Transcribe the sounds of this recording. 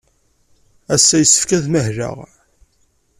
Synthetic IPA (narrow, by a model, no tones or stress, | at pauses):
æsːæjəsːə̥fkæðməɦɾə̰ʁ